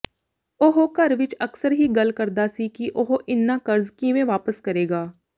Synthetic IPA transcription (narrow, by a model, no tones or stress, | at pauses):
oɦokəɾʋɪt͡ʃəksəɾɦiːɡəlkəɾd̪aːsikiʔoɦoʔɪnːãːkəɾzkiʋẽːʋaːpəskəɾeːɡaː